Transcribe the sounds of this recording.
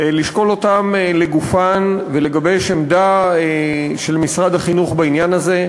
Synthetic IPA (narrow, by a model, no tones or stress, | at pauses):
liʃko̞lo̞t̪amle̞ɡufanvele̞ɡabe̞jʃemd̪aeʃe̞lmisʁad̪aχinuχbainjanaze̞